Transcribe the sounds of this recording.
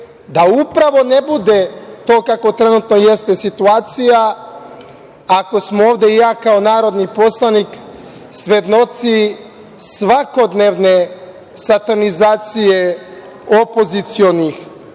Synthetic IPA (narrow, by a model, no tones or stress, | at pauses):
d̪aupɾaʋo̞nebud̪et̪o̞ːkako̞t̪ɾenut̪nojest̪e̞sit̪uaːt̪sija | ako̞smooːvd̪eijaːkaonaːɾo̞d̪nipo̞slˠanik | sʋed̪no̞t̪si | sʋako̞d̪neʋne | sat̪anizaːt̪sije | opo̞zit̪sio̞nix